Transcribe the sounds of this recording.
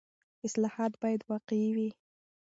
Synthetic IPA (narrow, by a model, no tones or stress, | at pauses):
ɪslɑhɑt̪bɑjad̪wɑqewi